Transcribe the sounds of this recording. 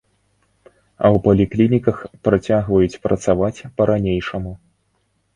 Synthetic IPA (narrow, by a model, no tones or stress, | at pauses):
ɐ̰wpɐlʲiklʲinʲikɐxpɾat͡sʲaɣvɐjut͡sʲpɾɐt̪savat͡sʲpɐɾanʲejʂɐmu